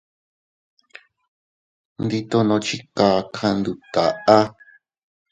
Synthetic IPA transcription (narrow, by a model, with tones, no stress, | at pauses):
nd̪i˧t̪o˦nõ˧t͡ʃi˦ka˨˧kʰã˧nd̪u˧t̪a˨ʔa˦